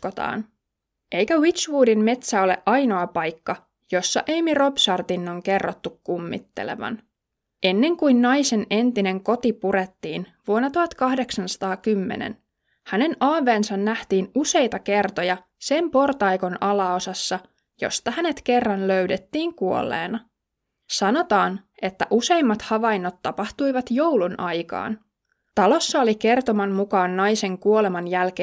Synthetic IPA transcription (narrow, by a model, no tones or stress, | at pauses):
ot̪ɑ̰ːn | ʔe̞jkæwit͡ʃʋuːdimme̞t̪sæo̞le̞̰ʔɑjno̞ɑpɑjkːɑ | jo̞sːɑʔejmiro̞bsɑrt̪inːoŋke̞rːot̪ːukːumːḭt̪ːḛlḛʋɑ̰n | e̞nːe̞ŋkujnːɑjse̞ne̞nt̪ine̞ŋko̞t̪ipuɾet̪ːiːnʋuonːɑt̪uhɑt̪kɑhde̞ksɑnsɑ̥t̪ɑːkymːe̞̰nḛn | hæne̞nɑːʋe̞ːnsɑnːæht̪iːnuse̞jt̪ɑke̞rt̪ojɑ | se̞mpo̞rt̪ɑjko̞nɑlɑosɑsːɑ | jo̞̰st̪ɑhæne̞t̪ke̞rːɑnlø̞ɥdet̪ːiːŋkuo̞̰lːḛːnɑ | sɑno̞t̪ɑːne̞t̪ːæʔuse̞jmːɑt̪hɑʋɑjnːot̪ːɑpɑht̪ujʋɑt̪jo̞wlunʔɑjkɑ̰ːn | t̪ɑlo̞sːɑo̞like̞rt̪o̞mɑmːukɑːnːɑjse̞ŋkuole̞mɑnjælke